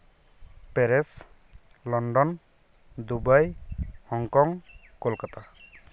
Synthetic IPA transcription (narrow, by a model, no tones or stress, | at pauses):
peɾes | lɔɳɖɔn | d̪ubajhɔŋkɔŋ | kolkat̪a